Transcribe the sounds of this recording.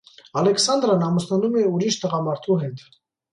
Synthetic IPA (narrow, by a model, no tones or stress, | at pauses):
ɑlɛksɑnd̪ɾɑnɑməsnɑnumɛuɾiʃt̪əʁɑmɑɾt̪ʰuɦɛt̪